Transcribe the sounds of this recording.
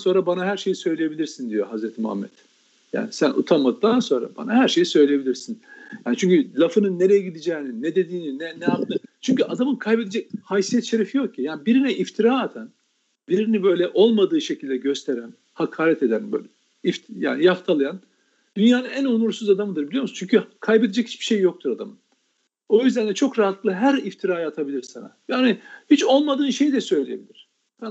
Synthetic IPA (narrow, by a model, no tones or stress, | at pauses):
so̞nɾabanaɦhæɾʃe̞jisø̞jlʲeje̞bilʲiɾsind̪ijoɦazɾɛt̪ʰimuha̰mːɛ̰t̪ | ja̰ːnisænʔṵt̪ʰamat̪̚d̪anso̞nɾa̰ba̰naɦæɾʃe̞jisø̞jlʲejeilʲiɾsinjaːnit͡ʃʰyɲcylʲafɯnɯnːeɾejɛɟid̪id͡ʒeninːɛd̪e̞d̪iːninɛnɛjapnɯt͡ʃʰyɲcyʔad̪amɯnkʰajbed̪ed͡ʒɛc̚hajsijɛt̪ʃe̞ɾefijo̞k̚ʰːijaːnibiɾinɛʔift̪ʰiɾaːat̪ʰan | biɾinibø̞jlʲɛʔo̞lˠmad̪ɯːʃe̞cʰilʲd̪ɛɟø̞st̪ʰeɾæn | hakʰaːɾɛt̪e̞d̪ænbø̰jlʲɛ | ifja̰ːnijaft̪ʰalˠɯjan | d̪̥ynjaːnɯnænonuɾsuzad̪amɯd̪ɯɾbilʲijomst͡ʃʰyɲcʰykʰajbed̪ed͡ʒɛchi̥t͡ʃb̥i̥ʃe̞jjo̞k̚t̪ʰuɾad̪a̰mɯn | o̞jyzd̪ænd̪ʲɛt͡ʃʰo̞kɾaɦat̪ːlˠɯɦæɾift̪ʰiɾaːjaːt̪ʰabilʲiɾsa̰na̰jaːnihit͡ʃo̞lˠmad̪ɯːnʃe̞jid̪ɛsø̞jlʲejebilʲiɾ̥ | a